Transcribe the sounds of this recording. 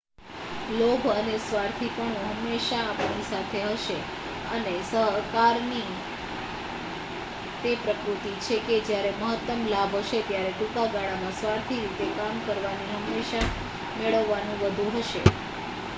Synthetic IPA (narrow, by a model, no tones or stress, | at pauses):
lobʱənesʋaɾt̪ʰipəɳɦəmːeʃaːpnisat̪ʰeɦəʃe | ənesəɦkaɾni | t̪epɾəkɾut̪it͡ʃʰeked͡ʒjaɾeməɦət̪ːəmlabʱɦəʃet̪jaɾeʈũkaɡaɭamãsʋaɾt̪ʰiɾit̪ekamkəɾʋaniɦəmːeʃa | meɭəʋːanũʋəd̪ʱuɦəʃe